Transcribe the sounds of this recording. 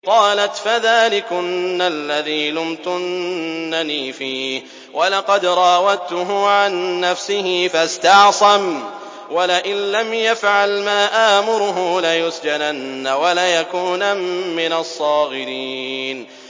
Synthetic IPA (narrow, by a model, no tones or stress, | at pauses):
qɑːlat̪faðaːlɪkʊnːalːaðiːlʊmt̪ʊnnːaniːfiːh | wʔalɑqɑd̪ɾˤɑːwat̪ʊɦʊʕanːafsɪɦɪfast̪ɑʕsˤam | walɪʔɪnlamjafʕalmaːʔaːmʊɾʊɦʊlajʊsd͡ʒananːawalajakuːnamːɪnasˤːɑːɣɪɾin